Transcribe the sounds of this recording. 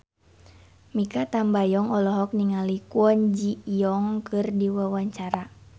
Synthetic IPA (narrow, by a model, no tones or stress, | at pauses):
mikat̪ambajɔŋɔlɔɦɔk̚niŋalikuɔɲd͡ʒijɔŋkʰɨrdiwawaɲt͡ʃaɾa